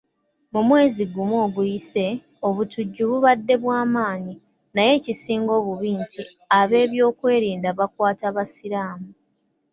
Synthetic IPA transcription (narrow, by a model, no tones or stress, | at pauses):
mumwe̞ːziɡumwoːɡujise̞ | o̞βutuɟːuβuβadːe̞βwaːmaːɲi | naje̞ːcisiːŋɡo̞ːβuβiːntʰiaβe̞ːβjo̞ːkwe̞ːɾiːndaβakwaːtaβasiɾaːmu